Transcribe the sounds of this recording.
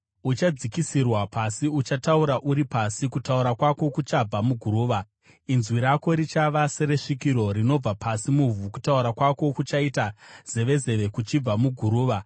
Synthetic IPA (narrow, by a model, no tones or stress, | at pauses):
ut͡ʃad͡zikisirwapasiut͡ʃatauɾaʔuɾipasikutauɾakwako̞kut͡ʃab͡vamuɡʱuɾuːʋa | inzwiɾako̞ɾit͡ʃaʋase̞ɾe̞ʂikiɾo̞ɾino̞b͡vapʰasimuvuku̥tauɾakwako̞kut͡ʃaitaz̥e̞ʋe̞ze̞ʋe̞kut͡ʃib͡vamuɡʱuɾuːʋa